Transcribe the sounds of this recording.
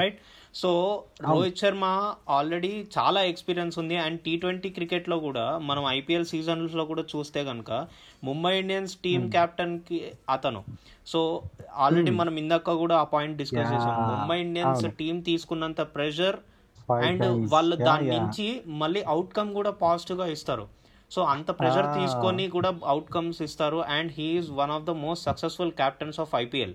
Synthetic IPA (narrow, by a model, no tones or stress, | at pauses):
ɐjʈ | so̞ːɾoːjt͡ʃɐɾmaːaːlɾeɽit͡ʃa̰ːlaːekspiːɾijɐnsund̪iɐɳɖ̚ʈiːʈʋeɳʈiːkɾikeʈlo̞ːkuːɽaːmɐnɐmɐjpiːelsiːd͡ʒɐnlɐslo̞ːkuːɽaːt͡ʃuːst̪eːɡɐnɐkɐ | mumbɐjiɳɖjɐnsʈiːmkaːp̚ʈɐnkiɐt̪ɐnṵ | soːaːlɾeɽiːmɐnɐmind̪ɐkːɐkuːɽaːɐpaːjiɳʈ̚ɖiskɐt͡ʃeːsɐɐumbɐjiɳijɐnsʈiːmt̪iːsu̥kunːɐnt̪ɐpɾɛʃ̬ɐɾ | ɛɳɖʋaːɭːɐd̪aːnːuɲt͡ʃimɐɭːiːʔɐwʈkɐmkuːɽaːpaːsʈuɡaːist̪aːɾṵ | so̞ːɐnt̪ɐpɾɛd͡ʒɐɾt̪iːsu̥konikuːɽaːɐwʈkɐmsist̪aːɾuʔɛɳɖɦiːzʋɐnɔːʋd̪ɐmoːsʈsɐksesfulkʲaːp̚ʈɐnsaːfɐjpiːḛl